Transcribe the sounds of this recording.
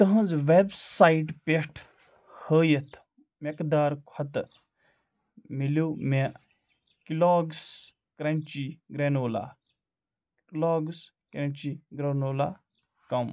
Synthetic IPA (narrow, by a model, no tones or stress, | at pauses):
t̪ɐɦɐ̃nzʋebsaːiʈpeʈʰ | həːjɐt̪ʰ | mekd̪aːɾkʰɐt̪ | miloːme | kiloːɡs | kɾɐnʲt͡ʃiɡɾenoːla̰ː | loːɡs | kɾɐnʲt͡ʃiɡɾɐnoːla̰ː | kɐm